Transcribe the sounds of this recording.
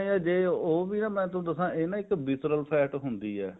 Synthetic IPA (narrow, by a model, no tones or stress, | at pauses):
iɛːd͡ʒeːoːbiːnãːmɛ̃ːt̪õːd̪əsãːʔeːnãːɪkbɪsɾəlpʰɛːʈɦʊnd̪iːɛː